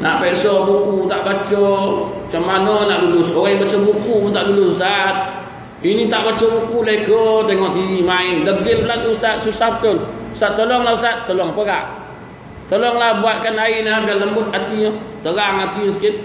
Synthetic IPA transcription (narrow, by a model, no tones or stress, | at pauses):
naʔpɛʔsɔbukut̪aʔbat͡ʃɔt͡ʃamːanɔnaʔdulʊsoɣaibat͡ʃɔbukuunt̪aʔdulʊsusat̪̚ | init̪aʔbat͡ʃɔbukuleikɔt̪eŋɔʔt̪iimaɪndəɡɪlpəlant̪uusat̪̚susap̚t̪olu̥sat̪ːolɔŋlausat̪̚ːolɔŋpəɣa̰ʔ | t̪olɔŋlahbuat̪̚kanaɪnabalːəmbʊt̪̚at̪it̪əɣaŋat̪isə̥kɪt̪̚